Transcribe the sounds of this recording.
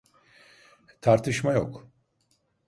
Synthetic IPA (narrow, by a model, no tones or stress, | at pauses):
t̪ʰaɾt̪ʰɯʃmajo̰k